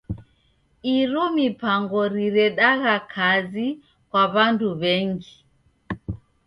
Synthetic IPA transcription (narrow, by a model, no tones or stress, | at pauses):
iɾɔmipaŋɡɔɾiɾɛɗaɣakʰazi | kwaβanduβɛŋɡi